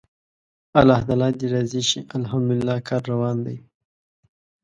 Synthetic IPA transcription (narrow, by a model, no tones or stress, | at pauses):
alahd̪alɑd̪iɾaziʃiʔalɦamd̪ulɪlːɑːkɑːɾːawɑːnd̪aj